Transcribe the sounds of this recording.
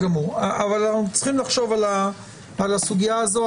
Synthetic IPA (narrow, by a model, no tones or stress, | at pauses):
ɡamuʁavalnaχut͡sχimlaχʃo̞valaː | lasuɡijaːzo̞